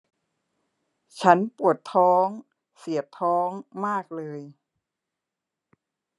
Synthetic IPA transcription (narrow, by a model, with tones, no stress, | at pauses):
t͡ɕʰa˦˥npu˨˩ət̪ʰɔː˦˥ŋ | si˨˩˦ət̪ʰɔː˦˥ŋmaː˥˩k̚lɤː˧j